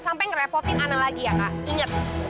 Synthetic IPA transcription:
sampɛjŋɾɛpɔt̪ɪnanalaɡijakaʔiŋət̪̚

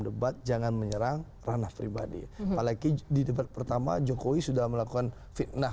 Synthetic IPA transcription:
dəbat̪̚d͡ʒaŋanməɲəɾaŋ | ranahpɾiba̰dḭpalakididəbat̪̚pərt̪ama̰d͡ʒokowisudahməlakukan | fit̪̚na

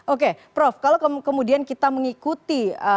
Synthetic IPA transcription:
ʔok̬epɾofkalokəkəmudiankit̪aməŋikut̪iə

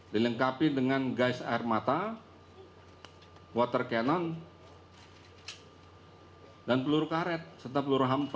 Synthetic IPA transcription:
diləŋkapidəŋanɡaɪsa̰ɪrmat̪a | wat̪ərkɛnɔn | danpəluɾukaɾɛt̪̚sərt̪apəluɾuɦampa

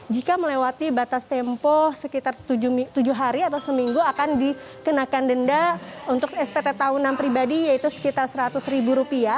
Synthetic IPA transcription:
d͡ʒikaməlewat̪ibat̪ast̪ɛmpɔhsəkit̪art̪ud͡ʒt̪ud͡ʒʊɦaɾiat̪awsəmiŋɡuakandi | kənakandəndaunt̪ʊkɛst̪ɛt̪ɛt̪aunanpɾibadijait̪usə̥kit̪arsəɾat̪ʊsɾibuɾupia

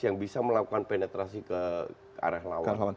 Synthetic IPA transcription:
jaŋbisaməlakukanpenɛt̪ɾasikə | a̰ɾahlawaaaa

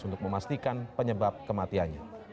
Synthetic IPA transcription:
unt̪ʊk̚məmast̪ikanpəɲəbap̚kəmat̪ianɲa

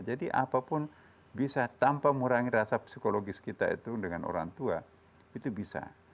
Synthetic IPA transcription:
d͡ʒadiʔa̰papʊn | bisat̪ampaməuɾaŋiɾasapsikoloɡiskit̪aḭt̪udəŋano̰ɾa̰ŋt̪ua | it̪ubisa̰

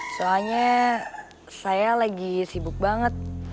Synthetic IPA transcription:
soalɲa | sajalaɡisibʊk̚baŋət̪̚

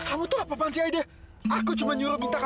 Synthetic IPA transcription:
kamut̪ʊhapapansiajdɛ | akut͡ʃumaɲuɾʊp̚kit̪aka

